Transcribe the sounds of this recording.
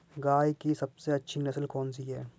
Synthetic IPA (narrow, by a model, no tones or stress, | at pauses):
ɡaːjikisɐbseɐtːʃʰinɐsəlkɔːnsiɦɛː